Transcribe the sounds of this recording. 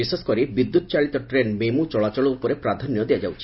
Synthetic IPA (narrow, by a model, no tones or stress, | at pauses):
iseskɔɾibid̪ːut̪ɔt͡ʃaɭit̪ɔʈɾenmemut͡ʃɔɭat͡ʃɔɭɔupɔɾepɾad̪ʱɔnjɔd̪ejad͡ʒawt͡ʃʰi̥